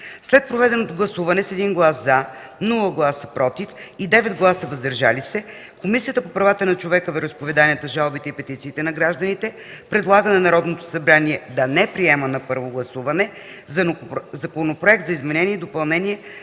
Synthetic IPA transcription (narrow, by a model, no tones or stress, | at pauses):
slɛt̪̚pɾovɛd̪ɛnot̪oɡlˠɐsuvɐnɛsɛd̪inɡlˠasza | nulˠəɡlˠasə̥pɾɔt̪ifid̪ɛvɛd̪ɡlˠasəvɐzd̪ɐɾʒalisɛ | komisijət̪əpopɾɐvat̪ənɐt͡ʃovɛkəvəɾəspovɛd̪aniət̪əʒalˠbit̪ɛipɛt̪it̪siːt̪ɛnɐɡɾaʒd̪ənit̪ɛ | pɾɛd̪lˠaɡənɛnɐɾɔd̪not̪o̥sɐbɾaniɛd̪ɐnɛpɾiɛmənɐpɤɾvoɡlˠɐsuvɐnɛ | zɐnzɐkonopɾoɛk̚t̪zɐizmɛnɛniɛid̪opɐlˠnɛniɛ